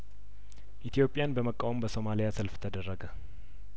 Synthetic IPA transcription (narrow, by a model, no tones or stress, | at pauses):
ʔit̪ʰijo̞pʼɪjanbəməkʼːawombəso̞malijasəlft̪ʰəd̪ərːəɡə